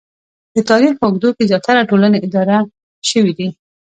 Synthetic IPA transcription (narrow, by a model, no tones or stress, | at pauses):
d̪̥ət̪ɑɾixpəʊɡd̪okezjɑt̪aɾaʈolaneʔɪd̪ɑɾa | ʃəwid̪i